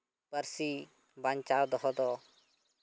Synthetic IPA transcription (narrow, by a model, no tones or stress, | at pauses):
pəɾsi | bant͡ʃaːwd̪ɔɦɔd̪ɔ